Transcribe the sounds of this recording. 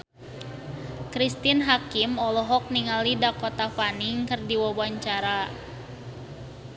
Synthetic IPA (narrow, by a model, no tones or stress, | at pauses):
kɾist̪inɦakimɔlɔɦɔk̚niŋalidakɔt̪afaniŋkɨrdiwawaɲt͡ʃaɾa